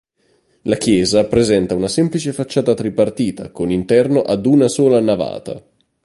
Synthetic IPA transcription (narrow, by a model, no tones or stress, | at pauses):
lakjɛːzapɾezɛnt̪aunasɛmplit͡ʃefat͡ʃːaːt̪at̪ɾipart̪iːt̪a̰konint̪ɛrnoʔad̪unasoːlanava̰ːt̪a̰